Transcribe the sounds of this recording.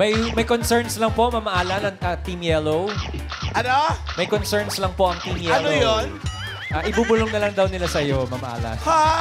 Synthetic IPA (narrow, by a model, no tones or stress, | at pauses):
mɐjmɐjkonsɛɹnslɐŋpo̞mɐmɐʔaːlɐnɐŋʔɐt̪imjɛlow | ʔɐnomɐjkonsɛɹnslɐŋpo̞ʔɐŋt̪imjɛɐlnoojon | ʔaːʔɪbubʊloŋnɐlɐŋd̪ɐwnɪlasɐjo̞mɐmɐʔa̰ːlɐ̰ha